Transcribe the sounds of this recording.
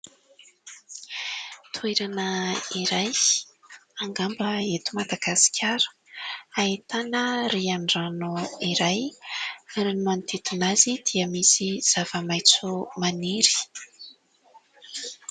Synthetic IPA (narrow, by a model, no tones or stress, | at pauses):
t̪ʰueɾanəiɾaj | aŋɡambəet̪umad̪aɡasi̥kʲʰaɾə̥ | ait̪anəɾiaɳɖ͡ʐanuiɾaj | ɾenimant̪ʰet̪unazid̪̥iəmisiz̥av̥əmajt͡sumaniɾi̥